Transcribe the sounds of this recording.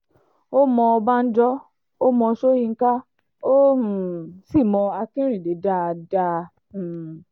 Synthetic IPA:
o˦mɔ̃˧ɔ˧ba˦n̩˦d͡ʒɔ˦ | o˦mɔ̃˧ʃo˦jĩ˧ŋ̩˦ka˦ | o˦˨ | si˦˨mɔ̃˧a˧kĩ˦ɾ̃ĩ˦˨de˨˦da˧˦˧da˧˨

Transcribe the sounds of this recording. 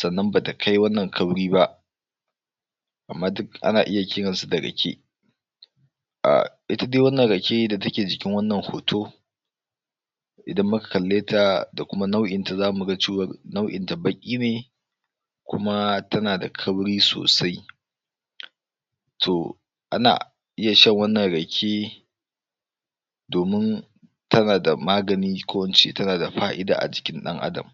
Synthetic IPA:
sɐ˨nːɐ˦mbaː˨ta˨kʰa˦jwɐ˦nːɐ˨ŋkʰɐ˦bɽiː˦ba˦ʔ | ʔa̰˨mːaː˦dʊ˦kʔa̰˦naː˨ʔɪ˦ja˨kʲɪː˦ɽɐ˨nsu˦da˨ɽɐ̰˨kʲʰḛ˦ | ʔa̰˨ʔɪ˦ta˦deː˦wɐ˦nːɐ˨ɽɐ˨kʲe˦da˨tɐ˦kʲeː˨d͡ʒɪ˨kʲɪ˦ŋwɐ˦nːɐ˨ŋho̰ː˨tʰoː˦ | ʔɪ˨dɐ˦mːʊ˦kḁ˨kɐ˨lːeː˦tʰa˨da˨kʷʊ˦ma˦na˦wʔɪ˨nta˨zaː˦mu˨ɽɐ˦t͡ʃeː˦wɐ˦rna˦wʔɪ̰˨nta˨bɐ˦kʲʼiː˦neː˨ | kʷʊ̰˦ma˦tʰɐ˦naː˨da̰˨kʰɐ˦wɽiː˦so̰ː˨sa˦j | tʰo˨ | ʔa˦na̰ː˨ | ʔɪ˦ja˨ʃɐ˦˨ŋwɐ˦nːɐ˨ŋɽɐ˨kʲʰeː˦ | doː˨mɪ˦n | tʰɐ˦naː˨da˨maː˦ɡɐ˨niː˦kʷo˦wɐ˨nt͡ʃḛ˦tɐ˦naː˨da˨ɸaː˦ʔɪ˦da̰ː˨ʔa̰˨d͡ʒɪ̥˨kʲɪ˦nɗɐ˦ŋʔa̰˦dɐ̰˨m

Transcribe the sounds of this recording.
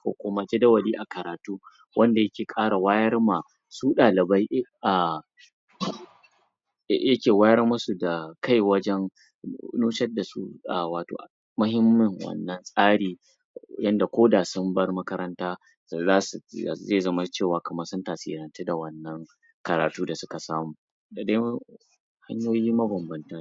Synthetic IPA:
kʷo̰ː˨kʷʊ˦ma˦d͡ʒɛ˦dɐ˦wɐ˨liː˦ʔa˨kɐ˨ɾaː˨tuː˦ | wʔɐ˦nda˨jɐ˦kʲeː˨kʼaː˦ɽa˨waː˦jɐ˦rma˨ | suː˦ɗaː˨lɪ˨ba˦jʔʔa˨ | jɐ˦kʲeː˨waː˦jɐ˦rmʊ˦su˨da˨ka˦jwɐ˦d͡ʒɛ˦ŋ | nuː˦ʃɐ˦da˨sṵ˦a̰˨waː˨to̰ː˨ʔ | mʊ˦ɦɪ˦mːɪ˦ŋwɐ̰˦˨nːɐ˦nsʼaː˦ɽiː˨ | jɐ˦nda˨kʷoː˦daː˨sʊ˦mbɐ˦rmɐ˦kɐ˦ɾɐ˦ntaː˦˨ | zaː˦sṵ˨zeː˦˨zɐ˦ma˦t͡ʃeː˦˨waː˨kɐ˨mɐ˦rsʊ˦ntaː˨sḭː˨ɾɐ˨nte˦da˨wɐ˦nːɐ˦ŋ | kɐ˨ɾaː˨tuː˦da˨sʊ˦ka˨saː˦muː˨ | da˨da˦ | ha˦ɲjoː˦jiː˦mɐ˦bɐ˨mbɐ˨nta˦

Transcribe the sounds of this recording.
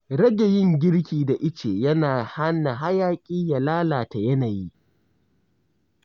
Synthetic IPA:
ɽɐ˦ɡa˨jɪ˦˨ŋɡʲɪ˦ɽkʲiː˨da˨ʔɪ˦t͡ʃeː˨jɐ˦naː˨ha˦na˨ɦa˦jaː˦kʲʼiː˦ja˨laː˦laː˨ta˨jɐ˦naː˨ji˦

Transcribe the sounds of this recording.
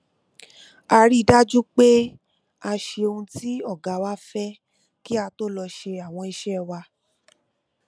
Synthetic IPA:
a˧ɾi˦˨da˦d͡ʒu˦k͡pe˦ | a˧ʃe˧o˧ũ˧ti˦ɔ˦˨ɡa˨˦wa˦fɛ˦ | ki˦a˧to˦lɔ˧ʃe˧a˨w̃ɔ̃˧i˧ʃɛ˦wa˧

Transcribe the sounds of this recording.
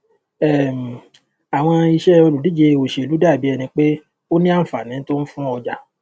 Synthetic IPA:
ɛ˦˨m̩˨ | a˨w̃ɔ̃˧i˧ʃɛ˦o˧lu˨di˨˦d͡ʒe˧˨o˨ʃe˨lu˨˦da˦˨bi˨˦ɛ˧nĩ˧k͡pe˦ | o˦nĩ˦ã˦˨fa˨nĩ˨˦to˦n̩˦fũ˦ɔ˧d͡ʒa˨

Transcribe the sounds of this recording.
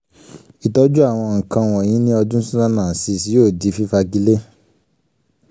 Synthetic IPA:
i˨tɔ˨˦d͡ʒu˦a˦˨w̃ɔ̃˧ŋ̩˨kã˧w̃ɔ̃˨j̃ĩ˨˦nĩ˦ɔ˧dũ˦sũ˦ã˦nãː˦˨si˧˨si˨˦jo˦˨di˨˦fi˦fa˧ɡi˦le˦

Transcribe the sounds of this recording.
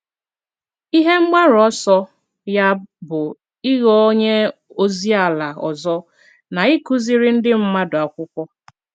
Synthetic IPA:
i˦ɦe˦ŋ͡m̩˦ɡ͡ba˦ɾɔ˦sɔ˦ | ja˦bʊ˨ | i˦ɣɔ˦o˦ɲe˦ | o˦zi˦a˨la˨ɔ˨zɔ˦ | na˨i˦ku˦zi˨ɾɪ˦n̩˦dɪ˦m̩˦ma˦dʊ˨a˨kʷʊ˦kʷɔ˦

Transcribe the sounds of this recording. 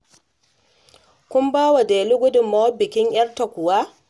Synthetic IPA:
kʷʊ˦mbaː˦wa˨deː˨li˦ɡʷʊ˦dʊ˨mːa˦wɐ˦bɪ˨kʲɪ˦ɲʔj̰ɐ˦rta˨kʷʊ˨waː˦

